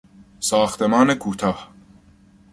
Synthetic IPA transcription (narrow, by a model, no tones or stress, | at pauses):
sɒːxt̪emɒːnekʰuːt̪ʰɒːh